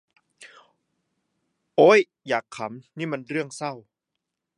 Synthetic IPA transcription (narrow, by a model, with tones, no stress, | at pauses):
ʔoː˦˥j | jaː˨˩kʰːa˩˦mniː˥˩ma˧nɾɯ˥˩əŋsa˥˩w